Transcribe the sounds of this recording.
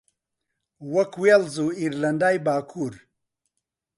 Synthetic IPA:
wɐkwelzuiɾlɐndaːjbaːkʰuːɾ

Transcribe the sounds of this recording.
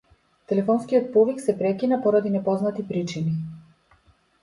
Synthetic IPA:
t̪ɛlɛfɔnskijɔt̪̚pɔviksɛpɾɛkʲinapɔɾad̪inɛpɔznat̪ipɾit͡ʃini

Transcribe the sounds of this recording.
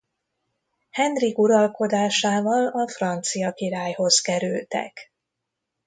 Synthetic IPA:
hɛnrikuɾɒlko̞d̪aːʃaːvɒlɒfrɒnt̪sijɒkiɾaːjho̞zkɛɾylt̪ɛ̰k

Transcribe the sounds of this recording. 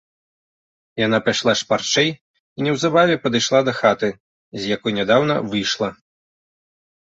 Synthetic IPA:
jan̪apajʂlˠaʂpart͡ʂɛj | inʲɛwzabavʲɛpɐd̪ɨjʂlˠad̪ɐxat̪ɨ | zʲjakɔjnʲɛd̪awn̪ɐ̰vɨjʂlˠɐ

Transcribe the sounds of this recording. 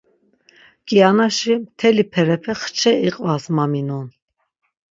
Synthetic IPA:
kʼianaʃimt̪ʰɛlipʰɛɾɛpʰɛχt͡ʃʰɛiqʼvasmaminɔn

